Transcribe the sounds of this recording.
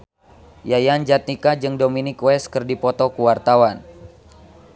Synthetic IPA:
jajand͡ʒat̪̚nikad͡ʒɨŋdominikwɛskɨrdipɔt̪ɔkuwart̪awan

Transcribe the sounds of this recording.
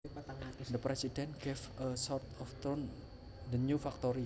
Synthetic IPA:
d̪əpɾesidɛnɡ̥efəsɔrt̪ɔft̪ɾon | d̪əɲufak̚t̪ɔɾi

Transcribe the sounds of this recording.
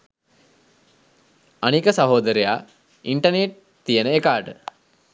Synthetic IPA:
anikəsaɦoːd̪əɾejaː | iɳʈəneʈ̚ | t̪ijənəekaːʈə

